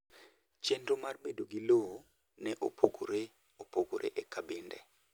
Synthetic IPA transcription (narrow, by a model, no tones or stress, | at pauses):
t͡ʃendomarbedoɡiloo | nɛʔopʰoɡoɾe | opoɡo̰ɾʔḛʔɛkabɪndɛ̰